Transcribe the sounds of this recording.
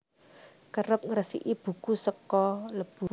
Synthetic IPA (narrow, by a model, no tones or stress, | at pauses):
kəɾʊp̚ŋəɾəsḭʔib̥ṳkusəkɔləb̥u